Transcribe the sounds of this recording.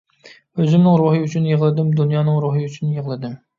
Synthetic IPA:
øzɪmnɪŋɾuɦɨyt͡ʃʰynjeʁəlˠɨd̪ɪmd̪unjɑːnɨŋɾuɦɨyt͡ʃʰynjəʁlˠɨd̪ɨm

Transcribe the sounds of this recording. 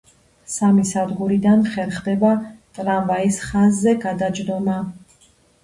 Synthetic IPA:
samisad̪ʁuɾid̪anχɛɾχd̪ɛbat̪ʼɾamvaisχazːɛɡad̪ad͡ʒd̪ɔma

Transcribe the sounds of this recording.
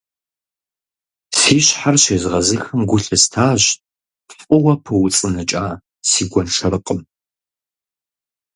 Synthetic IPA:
siːɕħarɕeːzʁɐzɨxɐmɡʷʊɬʼɨstʰaːʑ | fʼʊwɐpʰɨwʊt͡sʼɨnɨt͡ʃʼaː | siːɡʷɔnʂɐɾɨqʼəm

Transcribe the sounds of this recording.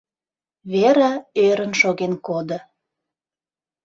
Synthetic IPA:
βeɾaøɾə̆nʃoɣenkod̪ə̆

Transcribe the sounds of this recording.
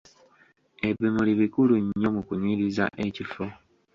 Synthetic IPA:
e̞βimuliβikuluɲːo̞mukuniːɾiza̰ʔe̞cifo

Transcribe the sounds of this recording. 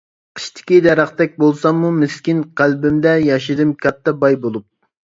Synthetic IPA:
qʰə̥ʃt̪ʰɪ̥kʲid̪ɛɾɑχt̪ɛk̚ʲbolˠsɑmːumɪskʲinqælbɪmd̪ɛjɑʃid̪ɨmkʲʰɑt̪ʰːɛbɑjbolˠup̚

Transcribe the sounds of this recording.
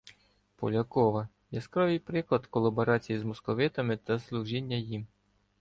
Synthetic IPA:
pɔlʲɐkɔʋɐ | jɛskɾɔʋɪjpɾɪklˠɐd̪kɔlˠːɐbɔɾɑt͡sʲijizmɔskɔʋɪt̪ɐmɪt̪ɐslˠuʒinʲːɐjim

